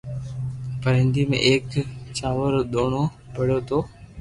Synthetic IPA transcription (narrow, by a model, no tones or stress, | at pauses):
pəɾɦɪ̃nd̪iːmḛ̃ːʔeːkt͡ʃaːʋəɾɗ̪oːɳ̃oː | pəɽ̤joːt̪oː